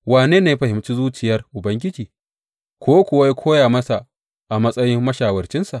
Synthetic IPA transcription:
waː˨neː˦naː˨ja˦ɸɐ˨hɪ˨mt͡ʃi˦zuː˦t͡ʃɪ˨jɐ˦rʔʊ˨bɐ˦ŋɡʲɪ˦d͡ʒiː˨ | kʷoː˦kʷʊ˨wa˦ja˦kʷoː˦jaː˨mɐ˦sa˨ʔ | ʔa˨mɐ˦sʼɐ˦jɪ˦mːɐ˦ʃaː˨wɐ˨rt͡ʃɪ˦nsa˨ʔ

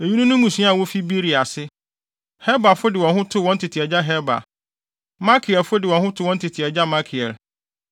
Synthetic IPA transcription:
e˨ju˦nũ˦nʊ̃˦mũ˨sũ˨˦a˨wo˦fi˦bi˦ɾi˨a˨sɪ˦ | hɛ˦ba˨fʊ˦dɪ˨wɔ̃˨nɦʊ̃˦tʰʊ˦wɔ̃˦n˦tʰɪ˨tʰi˨ɛ˨d͡ʑa˦ɦɛ˦ba̰˨ | mã˦kʰi˨ɛ˨lfʊ˦dɪ˨wɔ̃˨nhʊ̃˦tʰʊ˦wɔ̃˦n˦tʰɪ˨tʰi˨ɛ˨d͡ʑa˦mã˦kʰi˨ɛ̰˨l

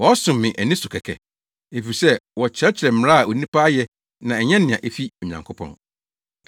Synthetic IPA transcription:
wɔ˨˦sʊ̃˨mːɪ̃˨ʔæ˨nɪ̃˦sʊ˨kʰɛ˨kʰɛ̰˨ | e˨fi˨i˨sɛ˦wɔ˨t͡ɕʰɪ˨ɾɛ˦t͡ɕʰɪ˨ɾɛ˨m̩̃˦˨˦a˦a˨o˨nĩ˦pʰa˦jɛ˦ | nã˨ɛ˨ɲɛ̃˦nɪ̃˨ã˨ʔe˦fi˦o˨ɲã̰˨ŋkʰo˦pʰɔ̰̃˨n

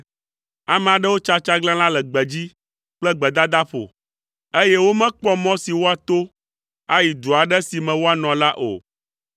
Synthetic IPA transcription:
a˨mɛ̃˨a˨ɖɛ˦wo˦t͡ʃa˦t͡ʃa˦ɡlã˦l̃ã˦lɛ˨ɡ͡bɛ˨d͡ʑi˦ | k͡plɛ˦ɡ͡bɛ˨d̪a˦d̪a˦ɸo̰˨ | e˦jɛ˦wo˦mɛ̃˦k͡pɔ˦mɔ̃˦si˨wo˦a˨t̪o˦ | a˦ji˨d̪u˨a˨ɖɛ˦si˨mɛ̃˨wo˦a˨nɔ̃˨la˦ʔo̰˨

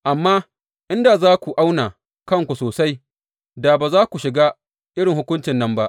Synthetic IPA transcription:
ʔa˨mːaː˦ | ʔɪ˦nda˨zaː˦kʷu˨ʔa˦wnaː˨ | kɐ˦˨ŋkʷu˨soː˨sa˦j | daː˨baː˨zaː˦kʷu˨ʃɪ˨ɡaː˦ | ʔɪ˦ɽɪ˨ŋhʊ˦kʷʊ˦nt͡ʃɪ˨nːɐ˦mba˦ʔ

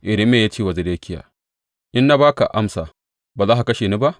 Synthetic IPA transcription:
ʔɪ˨dɪ˦mːeː˨jaː˦t͡ʃeː˦wa˨zɪ˨deː˦kʲʰɪ˦ja̰ː˨ | ʔɪ˦nːa˦baː˦ka˨ʔa˦msaː˨ | baː˨zaː˦ɦa˨kɐ˦ʃeː˨ni˦ba˦ʔ

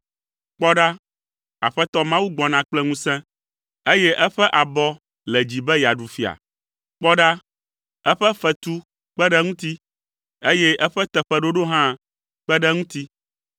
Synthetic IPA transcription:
k͡pɔ˦ɖa˦ | a̰˨ɸɛ˦t̪ɔ˦mã˦wu˦ɡ͡bɔ˨nã˨k͡plɛ˦ŋũ˦sɛ̃˦ | e˦jɛ˦ʔɛ˦ɸɛ˦ʔa˨bɔ˦ | lɛ˨d͡ʑi˨bɛ˦ja˨ɖu˨fi˨a̰˨ | k͡pɔ˦ɖa˦ | ɛ˦ɸɛ˦fɛ˨t̪u˦ | k͡pɛ˦ɖɛ˦ŋũ˦t̪i˦ | e˦jɛ˦ʔɛ˦ɸɛ˦t̪ɛ˨ɸɛ˦ɖo˦ɖo˦ɦã˦ | k͡pɛ˦ɖɛ˦ŋũ˦t̪i˦

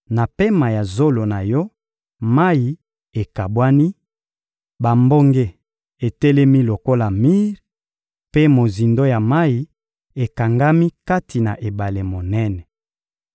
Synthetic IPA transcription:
na˨pe˦ma˨ja˨zo˦lo˨na˨jɔ˦ | ma˦i˨ | e˨ka˨bwa˦ni˦ | ba˨mbo˦ŋɡe˦ | e˨tɛ˦lɛ˦mi˦lo˨ko˦la˨mi˦ʁ | pe˦mo˨zi˨ndo˦ja˨ma˦ji˨ | e˨ka˨ŋɡa˦mi˦ka˦tʰi˨na˨ʔe˨ba˨le˨mo˨nɛ˦nɛ˨

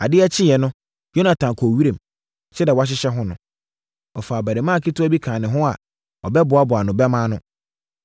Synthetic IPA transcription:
a˨dɪ˦ɛ˦t͡ɕʰɪ˦jɛ˨nʊ̃˦ | jo˦nã˨tʰã˨n˨kʰɔ˨wi˦ɾẽ˨m | t͡ɕʰɛ˦dɛ˨wa˦ɕ̬ɪ˦ɕɛ˦ɦʊ̃˦nʊ̃˨ | ɔ˨faː˨bæ˨de˨mã˦˨kʰi˦tʊ˦ɔ˦bi˦kʰãː˨nɪ̃˨ɦʊ̃˦a̰˨ | ɔ˨bɛ˦bʊ˨a˦bʊ˨a˨nʊ̃˨bɛ˦mãː˦nʊ̃˦

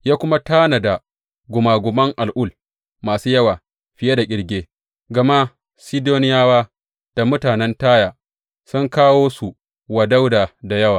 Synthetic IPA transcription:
jaː˦kʷʊ˦ma˦taː˦na˨da˨ | ɡʷʊ˨maː˨ɡʷʊ˨mɐ˦ŋʔa˨lʔʊ˦˨l | maː˨suː˦jɐ˦waː˨ | ɸɪ˨je˦da˨kʲʼɪ˨ɽɡʲeː˦ | ɡɐ˨ma˦ | si˦doː˦nɪ˦jaː˦waː˦ | d̥a˨mʊ˦taː˨nɛ˦ntaː˦jaː˨ | sʊ˦ŋkaː˦woː˦su˨ | wɐ˨da˦wdaː˨da˨jɐ˦waː˨

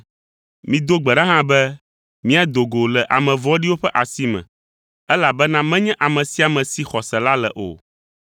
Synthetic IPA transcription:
mĩ˨d̪o˦ɡ͡bɛ˨ɖã˦ɦã˦bɛ˦ | mĩ˦a˨d̪o˨ɡo˨lɛ˨ʔa˨mɛ̃˨vɔ̃˦ɖi˦wo˦ɸɛ˦ʔa˨si˦mɛ̰̃˨ | ɛ˦la˨bɛ˦nã˦mɛ̃˦ɲɛ̃˦ʔa˨mɛ̃˨si˦a˨mɛ̃˨si˦xɔ˨sɛ˨la˦lɛ˨ʔo̰˨

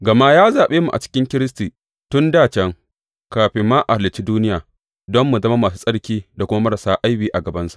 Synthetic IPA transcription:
ɡɐ˨ma˦jaː˦zaː˨ɓeː˦mu˨ʔa̰˨t͡ʃɪ̥˦kʲɪ˦ŋkʲɪ˦ɾɪ˦s̬tiː˨ | tʊ˦ndaː˦˨t͡ʃɛ˦ŋ | kaː˨ɸɪ˦mːaː˦ʔa˨lɪ˨t͡ʃiː˦duː˦nɪ˦jaː˨ | dɔ˦mːu˨zɐ˦ma˦maː˨s̬u̥ː˦sʼɐ˦ɽkʲiː˦da˨kʷʊ˦ma˦mɐ˦ɾɐ˨saː˦ʔa˦jɸiː˦ʔa˨ɡɐ˨bɐ˦nsḁ˦˨ʔ

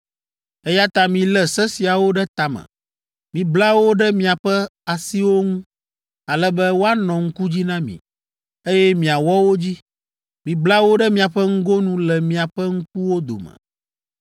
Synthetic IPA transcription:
ɛ˦ja˦t̪a˦mĩ˨lɛ˦˨sɛ˦si˨a˨wo˦ɖɛ˦t̪a˨mɛ̰̃˨ | mĩ˨bla˦wo˦ɖɛ˦mĩ˦a˨ɸɛ˦a˨si˦wo˦ŋũ˦ | a˨lɛ˦bɛ˦wo˦a˦nɔ̃˨ŋ̩˦ku˦d͡ʑi˦nã˦mḭ̃˨ | e˦jɛ˦mĩ˨a˨wɔ˦wo˦d͡ʑi˦ | mĩ˨bla˦wo˦ɖɛ˦mĩ˦a˨ɸɛ˦ŋ̩˦ɡo˦nũ˦lɛ˨mĩ˨a˨ɸɛ˦ŋ̩˦k̚u˦wo˦d̪o̰˨mɛ̰̃˨

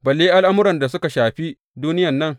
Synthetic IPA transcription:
bɐ˨lːeː˦ʔa˦lʔa˦mʊ˦ɾɐ˨nda˨sʊ˦ka˨ʃaː˨ɸi˦ | duː˦nɪ˦jɐ˨nːɐ˦ŋ

